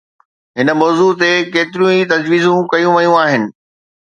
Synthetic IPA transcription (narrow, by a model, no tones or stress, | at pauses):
ɦɪnə̆mɔːzuːt̪̬ekeːt̪ɪɾijũit̪ɐd͡ʑʋiːzũkɐjũʋɐjũaːɦɪnɪ̆